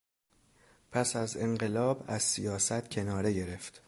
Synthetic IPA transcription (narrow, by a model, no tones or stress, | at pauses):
pʰæsæze̞ɴɢe̞lɒːbæzsijɒːsæt̪cʰe̞nɒːɾe̞ɟe̞ɾe̞ft̪